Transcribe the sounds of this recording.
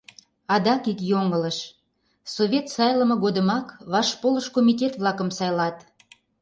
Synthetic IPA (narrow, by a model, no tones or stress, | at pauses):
ɑd̪ɑkikjoŋələʃ | soβʲet̪sɑjləmɤ̆ɣod̪əmɑkβɑʃpoləʃkomitʲet̪βlˠɑkəmsɑjlɑt̪